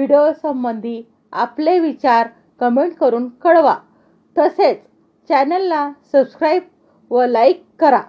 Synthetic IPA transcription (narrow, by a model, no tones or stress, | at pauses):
ʋiɽejosəmbənd̪ʱi | apleʋit͡ɕaɾ | kəmeɳʈkəɾuːnkəɽʋa | t̪əset͡s | t͡ɕɛnəlːasəbskɾajb̚ | ʋəlajkːəɾa